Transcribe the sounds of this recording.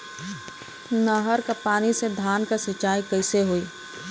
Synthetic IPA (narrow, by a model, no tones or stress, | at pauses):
nəɦəɾkapaːnised̪ʱaːnkasɐt͡ʃaːikɐɪseɦoːiː